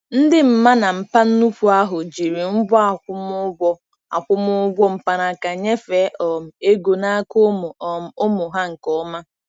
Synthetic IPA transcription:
n̩˦dɪ˦m̩˦ma˦na˨m̩˨pa˦n̩˦nu˦pʷu˨a˦ɦʊ˨d͡ʒi˨ɾi˨m̩˦bɔ˦a˦˨ʊ˦m˦ɡʷɔ˦ | a˨kʷʊ˦mʊ˦ɡʷɔ˦m̩˨pa˨ɾa˨ka˨ɲe˦fe˨˦ʔɔ˨m̩˨e˦ɡo˨na˦ko˦mʊ˨ɔ˨m̩˨ʊ˦mʊ˨ɦa˦ŋ̩˨kɔ˦ma˦

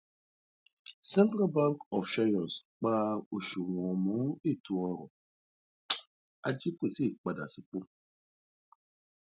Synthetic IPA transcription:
sɛ˦ntɾa˦ba˦ŋkɔ˨fʃa˦jɔ˨sk͡paː˦o˨ʃu˨ŋ˨ɔ˨mu˦e˦˨tu˨ɔ˦ɾɔ̰˨ | a̰˦d͡ʒi˦ko˨si˦˨k͡pa˨da̰˨si˨k͡pʊ˦

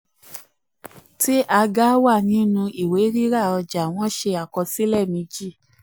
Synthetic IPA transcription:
ti˦ʔa˧ɡa˦wa˦˨nĩ˨˦nũ˧ʔi˨we˨˦ɾi˦ɾa˦˨ɔ˧d͡ʒa˨w̃ɔ̃˦ʃe˧a˨kɔ˧si˦lɛ˦˨mĩ˧d͡ʒi˦˨

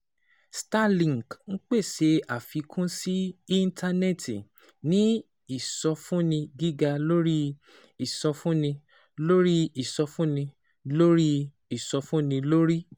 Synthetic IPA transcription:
sta˦lĩ˨ŋ˨kñ̩˦k͡pe˦˨ʃe˧a˨fi˨˧kʰũ˦si˦i˦n˦tʰa˧nɛ˦˨ti˨ | nĩ˦ | i˦˨sɔ˧fũ˦nĩ˧ɡi˦ɡa˧lo˦ɾi˦ | i˦˨sɔ˧fũ˦nĩ˧ | lo˦ɾi˦i˨sɔ˧fũ˦nĩ˧ | lo˦ɾi˦ | i˨sɔ˧fũ˦nĩ˧lo˦ɾi˦

